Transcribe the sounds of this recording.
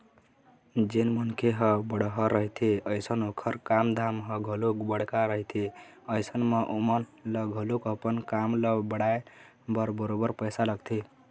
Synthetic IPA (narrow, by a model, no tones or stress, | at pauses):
d͡ʒenmənkeɦəbəɽɦʌɾəɦit̪ʰiəjsənokʰəɾkamd̪ʱamɦəɡʱəlukbəɽkaɾəɦit̪ʰi | əjsənmeʔomənləɡʱəlukəpənkamləbəɽae | bəɾbəɾobəɾpəjsaləɡt̪ʰi